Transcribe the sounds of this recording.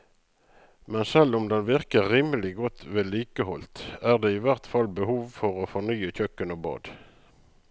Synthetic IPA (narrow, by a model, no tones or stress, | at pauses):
mɛnsɛlɔmd̪ɛnʋɪʁkəʁʁiːməlɪɡɔt̪ʋeːliːkəhɔlt̪æːʁd̪eːiːʋæʁt̪fɑlbəhuːʋfɔʁoːfɔʁnyːəçœkːənoːbɑ̰ːd̪̥